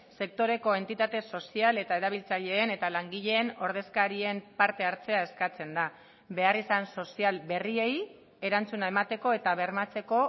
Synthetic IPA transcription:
se̞k̚t̪o̞ɾe̞ko̞e̞nt̪it̪at̪e̞so̞siale̞t̪ae̞ɾaβ̞ilt͡saʎe̞ːne̞t̪alaŋɡiʎe̞ːno̞ɾð̞e̞skaɾie̞mpaɾt̪e̞aɾt͡se̞ae̞skat͡se̞nd̪a | be̞arisanso̞sialbe̞rie̞j | e̞ɾant͡sunae̞mat̪e̞ko̞e̞t̪aβ̞e̞ɾmat͡se̞ko̞

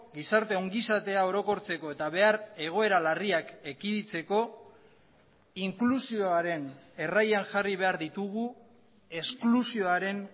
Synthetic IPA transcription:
ɡisaɾt̪e̞o̞ŋɡisat̪e̞ao̞ɾo̞ko̞ɾt͡se̞ko̞e̞t̪aβe̞aɾe̞ɣ̞o̞e̞ɾalariake̞kiðit͡se̞ko̞ | iŋklusio̞aɾe̞ne̞rajaŋʝariβe̞aɾðit̪uɣu | e̞sklusio̞aɾe̞n

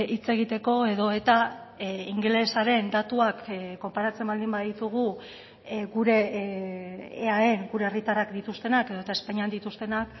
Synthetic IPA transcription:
it͡se̞ɣ̞it̪e̞ko̞e̞ðo̞e̞t̪aiŋɡle̞saɾe̞nd̪at̪uakkːo̞mpaɾat͡se̞mbald̪imbaðit̪uɣ̞u | ɡuɾe̞ | ae̞ŋɡuɾe̞erit̪arakd̪it̪ust̪e̞nake̞ðoet̪aespaɲiand̪it̪ust̪e̞nak

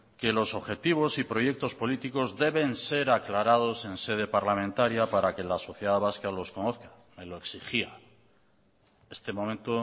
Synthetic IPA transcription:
ke̞lo̞so̞βxe̞t̪iβ̞o̞sipɾo̞je̞k̚t̪ospo̞lit̪iko̞zðe̞βe̞nse̞ɾaklaɾað̞o̞se̞nse̞ð̞e̞paɾlamẽnt̪aɾjapaɾake̞laso̞θjeðaβaskalo̞sko̞no̞θkḁ | me̞lo̞eksixia | e̞st̪e̞mo̞mẽnt̪o

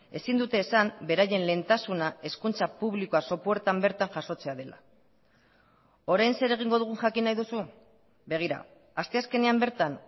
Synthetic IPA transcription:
e̞sind̪ut̪e̞ːsambe̞ɾaje̞nle̞nt̪asunae̞skunt͡sapuβlikoaso̞pueɾt̪ambe̞ɾt̪aŋʝaso̞t͡se̞aðe̞la̰ | o̞ɾajnse̞ɾe̞ɣ̞iŋɡo̞ð̞uɣ̞uŋʝakinajðusu | be̞ɣ̞iɾa̰ | ast̪e̞aske̞ne̞ambe̞ɾt̪an

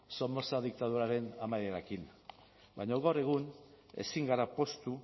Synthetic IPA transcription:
so̞mbo̞saðik̚t̪að̞uɾaɾe̞namajðeɾakin | bajɲoɣawre̞ɣ̞un | e̞̰siŋɡaɾapo̞st̪u

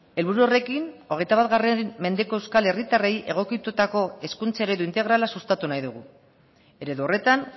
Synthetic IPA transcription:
e̞lβuɾuore̞kino̞ɣ̞e̞jt̪aβat̪ɣare̞me̞nd̪e̞ko̞e̞wskale̞rit̪are̞jʔe̞̰ɣ̞o̞kit̪ut̪ako̞e̞skunt͡saeɾe̞ðuint̪e̞ɣɾalasust̪at̪unajðuɣ̞u | e̞ɾe̞ðuore̞t̪an

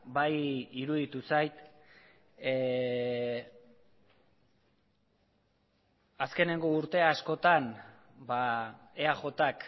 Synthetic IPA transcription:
bajiɾuð̞it̪usajt̪ | aske̞ne̞ŋɡo̞uɾt̪e̞asko̞t̪an | ba | eaʝo̞t̪ak

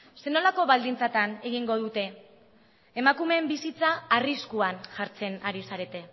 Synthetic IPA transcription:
se̞no̞lako̞βald̪int͡sat̪ane̞ɣ̞iŋɡo̞ð̞ut̪e̞ː | makume̞mbisit͡saːriskuanʝaɾt͡se̞naɾisaɾe̞t̪e̞

